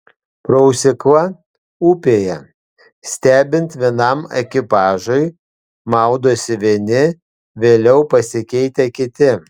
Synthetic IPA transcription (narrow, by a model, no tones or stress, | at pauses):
pɾɔʊsʲɪkʋɐ | uːpʲeːjɛ | sʲt̪ʲæːbʲɪnʲt̪ʋʲiɛnɐmɛkʲɪpɑːʒɐɪ | mɑˑʊd̪oːsʲɪʋʲiɛnʲɪ | ʋʲeːlʲɛʊpɐsʲɪkʲɛɪt̪ʲɛkʲɪt̪ʲɪ